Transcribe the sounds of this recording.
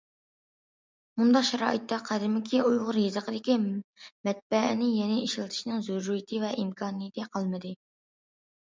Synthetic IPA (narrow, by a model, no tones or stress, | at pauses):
mund̪ɑqʃɛɾɑ̰ːʔɨt̪ːɛqʰæd̪ɪmɪkʲʰiʔujʁʊɾjezəqəd̪ɪkʲimɛt̪̚bɛ̰nɪjɛnɪʔiʃɪlˠɨt̪ʰɨ̥ʃnɨŋzuɾːujɪt̪ʰɨvɛʔimkʰɑːnɨjet̪ʰɨqʰɑlˠmɨd̪ɨ